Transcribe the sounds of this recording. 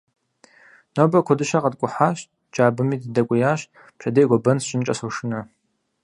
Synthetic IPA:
nobɐkʷʰɔdɨʃaqɐdkʷʼʊħaʃ | d͡ʒʼaːbɨmiːdɨdɐkʷʼʊjaːɕ | pɕʰɐdejɡʷɔbɐnsɕʼɪnt͡ʃʼɐsoʂɨnɐ

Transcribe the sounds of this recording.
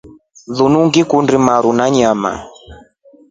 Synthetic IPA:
ðunuŋɡikundimaɾunaɲama̰

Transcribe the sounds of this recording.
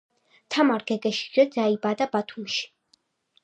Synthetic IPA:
t̪ʰamaɾɡɛɡɛʃi̥ɡɛd̪zaibad̪abat̪ʰumʃi̥

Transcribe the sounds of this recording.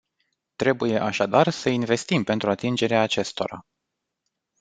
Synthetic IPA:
t̪ɾe̞buje̞ʔaʃad̪arsəinve̞st̪impe̞nt̪ɾuat̪ind͡ʒe̞ɾeaːt͡ʃe̞st̪o̞ɾa̰

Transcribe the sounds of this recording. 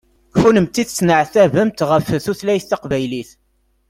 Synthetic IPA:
funəmt̪ːiθt͡sːnəʕθævəmt̪ʁəfθuθlæjθæqvæjliθ

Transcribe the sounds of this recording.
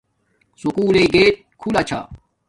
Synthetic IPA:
sukuːleɡeːt̪̚kʰulɐt͡ɕʰa̰ː

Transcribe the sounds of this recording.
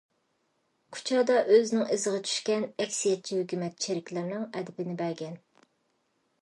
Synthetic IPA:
kʰu̥t͡ʃʰɑːd̪ɑʔøznɪŋɪzɨʁɑt͡ʃʰy̥ʃkʲɛnɛkʲsijɛt̪̚t͡ʃʰihøkʲymɛt̪̚ʃʰeɾɪkʲlɪɾnɪŋɛd̪ɪbɪnɪbæɾɡʲɛn

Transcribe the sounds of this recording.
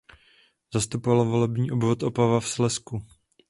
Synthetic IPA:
zast̪upovalvo̞lɛbɲiːʔobvot̪ʔo̞pavafslɛsku

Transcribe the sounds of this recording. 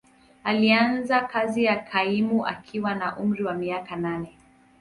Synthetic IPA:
alianzakazijakʰaimuʔa̰kʰiwanaʔum̩ɾiwamiakananɛ

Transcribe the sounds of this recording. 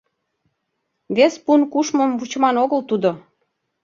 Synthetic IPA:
βespunkuʃməmvut͡ɕəmɑnoɣəlt̪ud̪o

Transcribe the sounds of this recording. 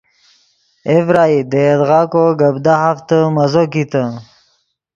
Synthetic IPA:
evɾaːid̪əed̪ɣɑːkoɡəbd̪aɦaft̪əmɐzokit̪ə

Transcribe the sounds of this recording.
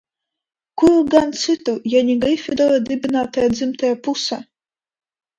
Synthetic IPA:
kuɾuɡant̪sɨt̪ujanʲiɡɨjfʲid̪ɔɾad̪ɨbʲinaːt̪ajad̪zɨmt̪ajapusa

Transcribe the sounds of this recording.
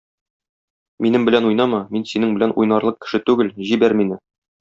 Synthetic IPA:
minɘmbɘ̆lænujnɑmɑminsinɘŋbɘ̆lænṵjnɑɾlˠɤq̚kɘ̥̆ʃɘt̪ʉɡɘlʑibæɾminɘ

